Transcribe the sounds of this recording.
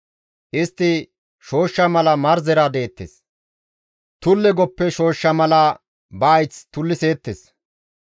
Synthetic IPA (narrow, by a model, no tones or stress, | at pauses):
ʔɪst̪ːɪ | ʃo̞ːʃːɐmɐlɐmɐɾzɛɾad̪e̞ːt̪ːḛs | t̪ʊlːɛɡɔpːɛʃo̞ːʃːɐmɐlɐ | bɐːjt͡st̪ʊlːɪseːt̪ːes